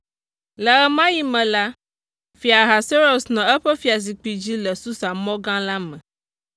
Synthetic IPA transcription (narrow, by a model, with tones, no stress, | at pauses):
lə˨ɛ˦mã˦ji˦mɛ̃˨la˦ | fi˨a˨ɦa˨se˦ɾo˨snɔ̃˨ɛ˦ɸɛ˦fi˨a˨s̬i˨k͡pi˨d͡ʑi˦lə˨su˦sa˨mɔ̃˦ɡã˦la˦mɛ̃˨